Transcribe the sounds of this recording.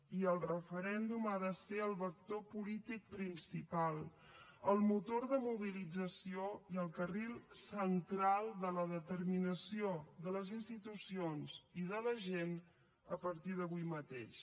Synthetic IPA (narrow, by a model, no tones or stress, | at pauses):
iəlˠrəfəɾɛnd̪umaðəseəlˠβək̚t̪opulit̪ik̚pɾinsipalˠ | əlˠmut̪oɾðəmuβ̞ilid͡zəsioiəlˠkərilˠsənt̪ɾalˠd̪ələðət̪əɾminəsioðələzinst̪it̪usionziðələʒen | əpəɾt̪iðəβ̞ujmət̪ḛʃ